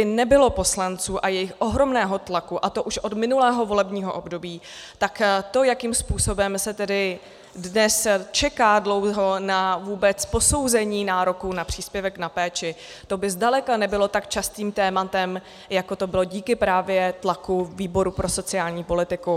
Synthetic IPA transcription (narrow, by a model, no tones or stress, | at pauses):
bɪnɛbɪlo̞po̞slant͡suːʔajɛjɪxʔoɦɾo̞mnɛːɦo̞t̪lakuʔat̪o̞ʔuʃʔo̞d̪mɪnulɛːɦo̞vo̞lɛbɲiːɦo̞ʔo̞bdo̞biː | t̪akt̪o̞jakiːmspuːso̞bɛmsɛt̪ɛdɪ | dnɛst͡ʃɛkaːdlo̞wɦo̞navuːbɛt͡spo̞so̞wzɛɲiːnaːɾo̞kunapr̝̥iːspjɛvɛknapɛːt͡ʃɪ | t̪o̞bɪzdalɛkanɛbɪlo̞t̪akt͡ʃast̪iːmt̪ɛːmat̪ɛm | jako̞t̪o̞bɪlo̞ɟiːkɪpɾaːvjɛt̪lakuviːbo̞ɾupɾʔo̞so̞t͡sɪaːlɲiːpo̞lɪt̪ɪku